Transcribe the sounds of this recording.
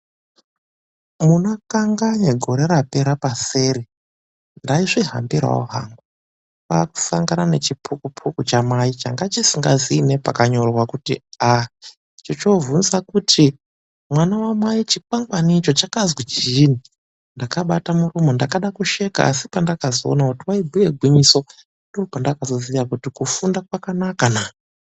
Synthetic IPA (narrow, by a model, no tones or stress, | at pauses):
munokaŋɡaɲeɡʱo̞ɾe̞ɾape̞ɾapase̞ːɾe | ndaiʐiɦa̰mbira̰wo̰ɦa̰ŋɡu | paku̥saŋɡanane̞t͡ʃipʰukupʰukut͡ʃamait͡ʃaŋɡat͡ʃisiŋɡazine̞pakaɲo̞rwakutḭa | t͡ʃot͡ʃovunzakutʰi | mwanawamwait͡ʃip̚aŋɡwanit͡ʃo̞t͡ʃakazwit͡ʃini | ndakaɓatamurumondakaɗakuʃe̞ka̰a̰sipandakazoonakutiwaibʱuje̞ɡʱwiɲiso̞ | ndo̞ːpandakazo̞zijakutikufundakwakanakana